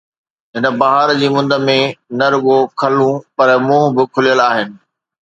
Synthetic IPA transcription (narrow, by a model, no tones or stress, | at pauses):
ɦɪnə̆bɐɦaɾd͡ʑiːmʊ̃nd̪ə̆mẽnɐɾʊɠokʰɐlũpɐɾmũːbɪkʰʊlijəlaːɦɪnɪ̆